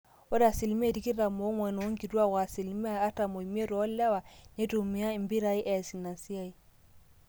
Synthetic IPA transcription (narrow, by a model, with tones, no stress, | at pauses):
wɔ˦da˨si˨lm˦e˦˨di˦ki˦ɾa˨mo˨˦ŋɔ˨n˨u˦ŋɡi˨du˦a˦˨wa˨si˨lm˦a˦a˦ta˨mo˨i˨m˦e˦ɾɔ˨a˦lːa˦wa˨ne˦du˨mi˨ja˦i˨mbi˦ɾa˦i˦ʔɛ˨si˨na˨nsi˦ja˦i˨